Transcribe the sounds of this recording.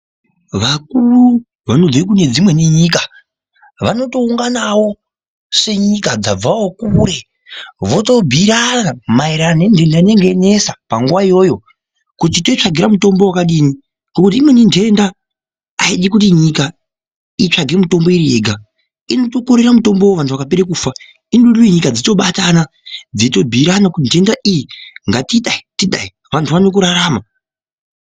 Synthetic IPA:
ʋak̚uru | ʋanod͡zoik̬une̞d͡zimwe̞niɲiːka | ʋano̞to̞uŋɡanawo̞ | se̞ɲikad͡zab͡vawokuɾe̞ | ʋo̞to̞bʱiɾaamaiɾanendʱe̞ndaine̞ŋɡe̞ne̞sapaŋɡuʋaijo̞jo̞ | kut̬ito̞it͡ʂaɡʱiɾamuto̞mbo̞wakaɗini | ŋɡo̞kut̬iːmweninde̞nda | aiɗikutiɲika | it͡ʂaɡʱe̞muto̞mbo̞iɾieɡʱa | ino̞to̞ko̞ɾe̞ramuto̞mbowoʋantʰuʋakapeɾekuːfa | inɗuɗuiɲikad͡zito̞ɓatana | d͡zito̞bʱiɾanakutintʰe̞ndaʔijiŋɡatiɗaitiɗa̰i | ʋantʰuʋanok̬uɾaɾaːma

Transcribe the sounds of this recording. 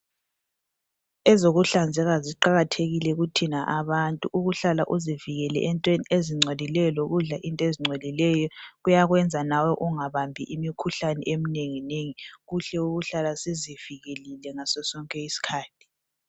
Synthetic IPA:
ɛzoɣuɬand͡zʱɛɣaziǃaɣatʰeɣilɛɣutʰinaʔaβantʼuʔuɣuɬalaʔuziviɣɛlɛ̰ʔɛntʼwenieziŋ͡ǀʱolilɛjɔloɣuɮaʔintʼɔeziŋ͡ǀʱolilɛjɔɣujaɣwɛnd͡zʱanawɔʔuŋaβambʱiʔimikʰuɬanɛ̰ʔemineŋineŋiɣuɬɛuɣuɬalaseziviɣelilɛŋasɔsɔŋkʼɛisi̥kʰaːtʰi̥

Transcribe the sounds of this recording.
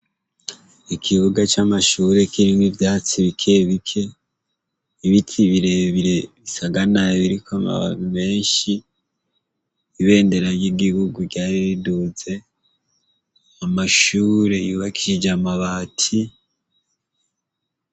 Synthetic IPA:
ikʰiβuɡat͡ʃamaʃuːɾe̞kʰiɾinivjaːt͡siβikʰe̞βikʰe̞ | iβitʰiβiɾe̞βiɾe̞βisaɡanaβiɾikoama̰βa̰nume̞ːɲʃi | βe̞ːnde̞ɾaɾjiɡihuɡuɟaːɾiβiduze̞ | amaʃuːɾe̞juːβakʰiʒid͡ʒamaβaːtʰi

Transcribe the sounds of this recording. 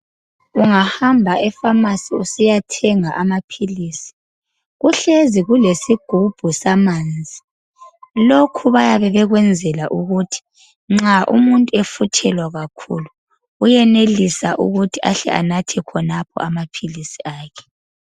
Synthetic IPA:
uŋahambʱaʔɛfamasiusijatʰɛŋaʔamapʰiliːsi̥ | ɣuɬeziɣulesiɡ̥ʱub̥ʱusamaːnd͡zʱi | lokʰuβajaβɛβɛɣwɛnd͡zʱɛlaʔuɣutʰi̥ | ŋ͡ǁaʔṵmuntʼuɛfutʰɛlwaɣakʰṵːlu | ujɛnelisaʔṵɣutʰiʔaɬɛ̰ʔa̰natʰɛkʰɔnapʰɔ̰ʔamapʰilisiaːkʰɛ̥

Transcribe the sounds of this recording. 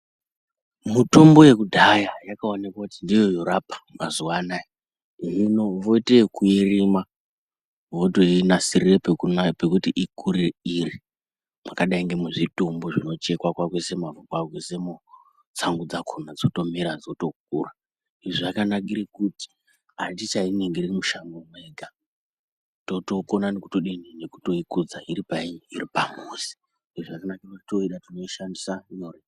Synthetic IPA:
muto̞mbo̞je̞kudʱajajakaonekwakutindijojo̞ɾapḁmazuwanai | iʐino̞ʋo̞itekuirima | ʋo̞toinasirirepekunape̞kutiʔikuɾeiri | makaɗaiŋɡe̞muʐitumboʐino̞t͡ʃe̞kwakwakwese̞mavukwakwesemu | t͡saŋɡud͡zakʰonad͡zotomiɾad͡zo̞to̞k̚ṵːra | iʐiʐakanakiɾekuti̥ | ɦatit͡ʃaineŋɡeririmuʃamomwe̞ɡʱa | to̞to̞konaneku̥toɗinine̞ku̥to̞ikud͡zaiɾipaiɲiiripamuːzi̥ | iʐiʐakanakirtito̞iɗatino̞iʃandisaɲore

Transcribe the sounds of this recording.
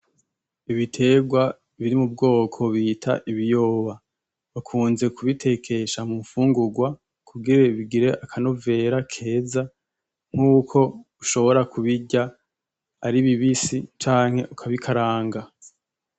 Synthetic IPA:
iβitʰe̞ɡwa | βiɾimub̚ɡo̞ːkʰo̞βitʰa̰ʔiβijo̞ːβa | βakʰuːnze̞kʰuβitʰe̞kʰe̞ʃamuɱfuːŋɡuɡwa | kʰuɡiɾe̞βiɡiɾe̞ʔakʰano̞ve̞ɾakʰe̞ːza | ŋ̥uːkʰo̞uʃo̞βo̞ɾakʰuβiɟa | aɾiβiβisit͡ʃaːŋ̥he̞ʔukʰaβikʰaɾaːŋɡa

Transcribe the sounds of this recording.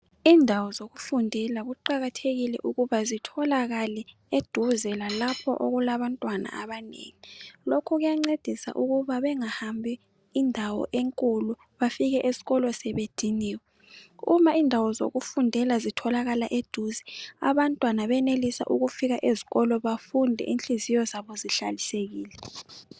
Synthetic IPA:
iːndʱawɔzoɣufundʱɛlaɣuǃaɣatʰeɣilɛʔuɣuβazitʰɔlaɣalɛ | ed̥ʱuzɛlalapʰɔ̰ʔoɣulaβantʼwana̰aβanḛŋilokʰɔɣujaŋ͡ǀed̥ʱisa̰ʔuɣuβaβɛŋahambʱi | indʱawɔ̰ʔeŋkʼulu | βafiɣɛʔezi̥ɣɔlɔsɛβed̥ʱiniːwɛ | umaiːndʱawɔzo̰ɣufundʱɛlazitʰɔlaɣalaʔed̥ʱuzɛa̰βantʼwanaβɛnelisa̰ʔuɣufiɣaʔeziɣɔlɔβafundʱɛ̰ʔint͡ɬʼizijɔzaβɔziɬa̰liseɣiːlɛ

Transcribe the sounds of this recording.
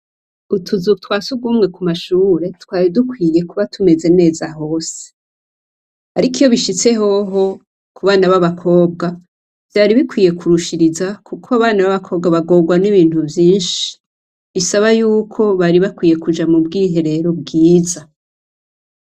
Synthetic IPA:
utʰuzutwaːsuɡuːmŋe̞kumaʃuːɾe̞twaːɾidukwiːje̞kuβatʰume̞ze̞ne̞ːzaɦo̞ːse̥ | haɾikijo̞βiʃit͡se̞ɦo̞ɦo̞ | kuβaːnaβaβakʰo̞ːb̚ɡa | v̥jaːɾiβikwiːje̞kʰuɾuʃiɾizakʰukʰoaβaːnaβaβakʰo̞ːβɡaβaɡo̞ːɡwaniβiːn̥hubjiːnʃi̥ | βisaβajuːkʰo̞βaɾiβakwiːje̞kud͡ʒamubɡiːɦe̞ɾe̞ɾob̚ɡiːza

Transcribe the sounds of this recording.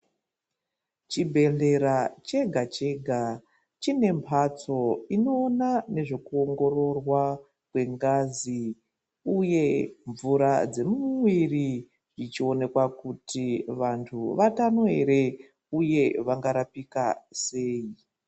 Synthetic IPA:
t͡ʃibʱe̞ɮe̞ɾat͡ʃe̞ɡʱat͡ʃe̞ɡʱa | t͡ʃine̞mpʰat͡so̞ino̞ːnane̞ʐe̞kuoŋɡo̞ro̞rwa | kwe̞ŋɡazi | uje̞ɱvuɾad͡ze̞muwiri | ʐit͡ʃio̞ne̞kwakutʰiʋantʰuʋatanoe̞̰ɾe̞ | uje̞ʋaŋɡaɾapikase̞ːi

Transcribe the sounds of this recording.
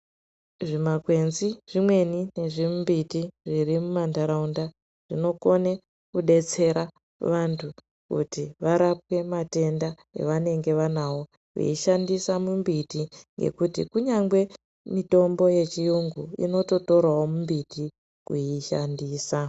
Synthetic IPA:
ʐimakwe̞nziʐimwe̞nine̞ʐimmbitiʐirimumandaɾaunda | ʐ̥ino̞ko̞ne | kuɗe̞t͡se̞ɾa | ʋantʰu | kṵtiʋaɾap̚we̞mate̞nda | e̞̰ʋane̞ŋɡe̞ʋanawo̞ | ʋḛiʃandisamumbitiŋɡe̞̰kutḭkuɲaŋɡwe̞ | mito̞mbo̞je̞t͡ʃijuŋɡuḭno̞to̞to̞ɾwawo̞mumbitʰi | kuiʃandiːsa

